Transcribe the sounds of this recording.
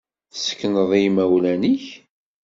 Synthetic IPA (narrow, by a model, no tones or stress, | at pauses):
θəsə̥kːnəðˤimæwlæniç